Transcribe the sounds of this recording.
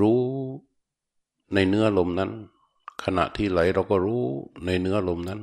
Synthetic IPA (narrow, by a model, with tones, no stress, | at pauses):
ɾuː˦˥ | na˧jnɯ˦˥ɐʔlo˧mna˦˥n | kʰa˧na̰˨˩ʔt̪ʰiː˥˩la˩˦jɾa˧wkɔː˥˩ɾuː˦˥˩na˧jnɯ˦˥ɐʔlo˧mna˦˥n